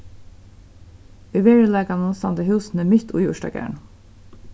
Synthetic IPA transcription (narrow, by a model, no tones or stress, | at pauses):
ʉʋeːɹʉlɑːɡɑnunsɑnd̪əhʉːsn̩əmʏt̪ʰṵːjṵːʃʈɑ̰ːɡæ̰ɳ